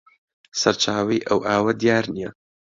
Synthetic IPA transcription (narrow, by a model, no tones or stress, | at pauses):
sɐɾt͡ʃʰaːwɐjʔɐwʔaːwɐd̪ijaːɾnijɐ